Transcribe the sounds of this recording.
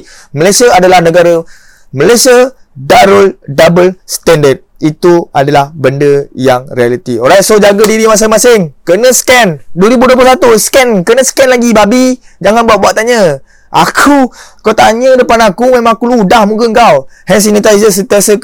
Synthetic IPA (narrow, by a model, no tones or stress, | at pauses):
məlasiəadalahnəɡaɾə | məlajsiə | daɾoldabəlst̪ɛndəd̚it̪ua̰dalahbəndəjaŋɾialit̪ioɾajsod͡ʒaɡədiɾimas̬əmasɪŋkərnə̃sə̥kɛnduəɾibuduəplosat̪uskɛnkənə̃sə̥kɛnlaɡibabid͡ʒaŋanbuat̪̚buwaʔt̪ːaɲə | ʔa̰kʰukat̪aɲədəpanakumẽmãakuludahmũɡəŋɡawhɛns̬inət̪aisəs̬ət̪iasə